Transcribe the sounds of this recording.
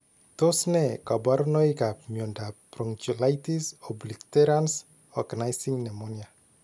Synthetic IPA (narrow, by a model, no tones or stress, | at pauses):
t̪osnekabaɾnojkapmjondappɾɔŋt͡ʃolajt̪isɔblikt̪eɾans | ɔɡanajsiŋnemonia